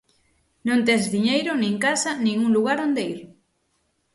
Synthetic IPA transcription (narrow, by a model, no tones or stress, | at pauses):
nõnt̪̬ezðiɲejɾʊnẽŋkasanĩŋuŋluɣaɾond̪eiɾ